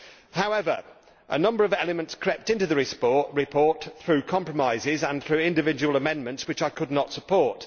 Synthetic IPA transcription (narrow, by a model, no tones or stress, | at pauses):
haʊɛvə̰˞ | ʔə̰nʌ̃mbəɹʌvɛlˠəmə̃ntskʰɹ̥ɛp̚tɪ̃ntʉðəɹɪspɔɹʔɹɪpʰɔɹt̪θɹʉkʰɑ̃mpɹ̥əmaɪzɪzə̃nθɹʉɪ̃ndɪvɪd͡ʒəwəlˠəmɛ̃nmə̃ntswɪt͡ʃaɪkʰʊdⁿnətsəpʰɔɹt